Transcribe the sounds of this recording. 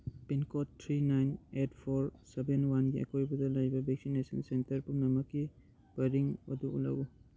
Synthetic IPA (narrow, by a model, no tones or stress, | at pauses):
pinkɔttʰːɾinajnetpʰoɾsebenwanɡiɐ̰kʰojbɐdɐlajbɐbek̚sinesɐnsentɐɾpuŋnɐmɐkːi | bɐɾiŋɐ̰duṵlɐ̰ɡu